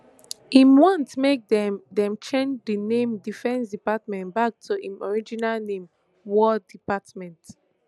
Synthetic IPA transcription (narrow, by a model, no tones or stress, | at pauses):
ĩmwɔ̃ntmek̚dɛdɛ̃mt͡ʃẽnd͡ʒdinẽmdifɛ̃nsdipatmɛ̃ntbak̚tʰuʔĩmɔɹid͡ʒinalnẽm | wɔdipatmɛ̃nt